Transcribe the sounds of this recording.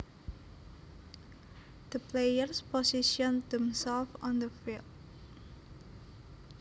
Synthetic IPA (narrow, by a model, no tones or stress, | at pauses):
d̪̥əpʰlejərspɔsiʃɔ̃nd̪ɛ̃msɛlfɔ̃nd̪əfilˠtd̚